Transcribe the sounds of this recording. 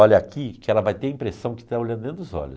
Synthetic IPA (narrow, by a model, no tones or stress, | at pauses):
ɔʎɐakikɪɛlɐvajt̪eɾɐĩmpɾesɐ̃w̃kɪ̥t̪aolɐ̃nd̪d̪ẽnɾʊzɔ̰ʎʊ